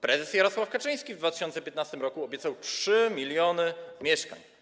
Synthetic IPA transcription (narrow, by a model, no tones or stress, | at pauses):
pɾɛzɛsjaɾɔswafkat͡ʂɘj̃skʲivd̪vat̪ɘ̥ɕɔnt̪sɛpʲjɛt̪nast̪ɘmɾɔkuɔbʲɛt̪sawtʂɘmʲilʲjɔnɘmʲjɛʂka̰ɲ